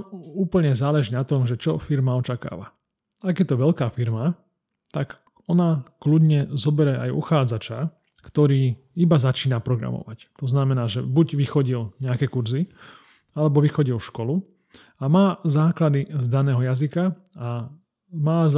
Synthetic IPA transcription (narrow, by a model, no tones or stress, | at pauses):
uːpl̩ɲɛzaːlɛʒinat̪ɔmʒɛt͡ʃɔfiɾmaɔt͡ʃaka̰ːʋa̰ | aɡjɛt̪ɔʋɛʎkaːfiɾma | t̪aɡ | ɔnaklud̪ɲɛzɔbɛɾɛʔajṵxaːd͡zat͡ʃa | kt̪ɔɾiː | ibazat͡ʃiːnapɾɔɡɾa̰mɔ̰ʋact̪ɔznamɛnaːʒɛbuɟʋixɔɟilɲɛakɛːkuɾzi | alɛbɔʋixɔɟilʃkɔlu | amaːzaːklad̪izd̪anɛːɦɔjazika | a | maːz